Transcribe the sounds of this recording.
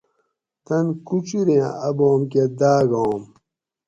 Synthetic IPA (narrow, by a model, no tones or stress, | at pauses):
t̪ɐnkut͡ɕiɾẽã̰ɐbõːmked̪aːɡõːm